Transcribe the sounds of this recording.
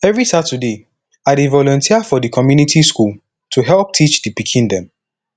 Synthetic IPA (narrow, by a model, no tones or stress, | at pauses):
ɛvɹisatʰude | adevɔlɔ̃ntʰiafɔdəkʰɔmjunitʰiskul | tʰuɦɛlˠp̚tʰit͡ʃdəpikʰĩndɛ̃m